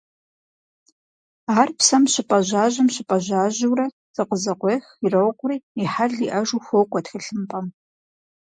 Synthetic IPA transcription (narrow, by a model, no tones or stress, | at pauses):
aːrpsɐmɕɪpʼɐʑaːʑɐmɕɪpʼɐʑaːʑuwrɐ | zɨqəzɐqʷeːxirɐwqʷʊriːiħaɮiʔɐʒuːxʷowkʷʼɔtxɨɬɨmpʼɐm